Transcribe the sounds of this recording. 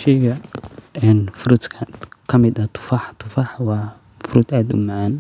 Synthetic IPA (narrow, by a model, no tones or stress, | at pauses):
ʃɛjɡɐɛːnfʊɾʊt̪kʰɐkʰɐmɪd̪ɐt̪ʰʊ̥faːħt̪ʰʊfaːħwɑː | fʊɾʊd̪aːd̪ʊ̰maʕaːn